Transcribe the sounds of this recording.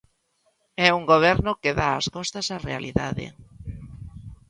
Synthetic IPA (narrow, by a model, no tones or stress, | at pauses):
ɛuŋɡoβ̞ɛɾnʊkeðaa̰skɔst̪asarea̰liða̰ðḛ